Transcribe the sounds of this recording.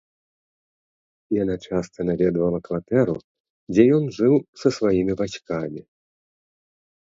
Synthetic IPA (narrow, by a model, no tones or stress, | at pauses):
ijanat͡ʂast̪ɐnavʲɛd̪vɐlˠɐkvat̪ɛɾṵ | d͡zʲɛjɔnʐɨwsɐsvajimʲibasʲkamʲi